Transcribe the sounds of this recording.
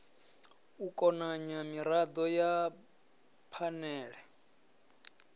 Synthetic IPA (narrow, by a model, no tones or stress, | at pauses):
ukʼɔnaɲamiɾad̪ɔja | pʰanɛːɺɛ